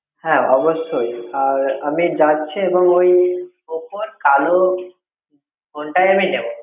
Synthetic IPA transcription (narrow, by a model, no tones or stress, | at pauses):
hɛ̃ɔboʃojaɾamid͡ʑatːɕʰeeboŋoj | opoɾkalo | ɡʱoɳʈajaminebo